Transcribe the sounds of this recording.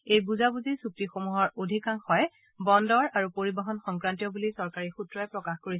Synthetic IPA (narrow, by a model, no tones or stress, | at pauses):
ejbuzabuzisuk̚tixomuɦɔɹodʱikaŋxɔj | bɔndɔɹaɹupoɹibɔɦɔnxɔŋkɹantijɔbulisɔɹkaɹixutɹɔɛpɹɔkaxkoɹisɛ